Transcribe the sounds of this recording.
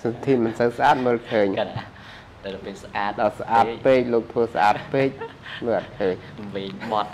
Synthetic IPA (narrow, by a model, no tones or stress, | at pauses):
sɑt̪ʰiʔmɨnsəwsʔaːt̪̚məːlkʰəːɲa | pisʔaːt̪ɗɑːsaʔaːt̚peːc̚loːk̚t̪ʰʋəːsʔa̰ːt̪̚peːc̚məːlʔat̪̚kʰəːɲ | ʋiːɲmŏt̪̚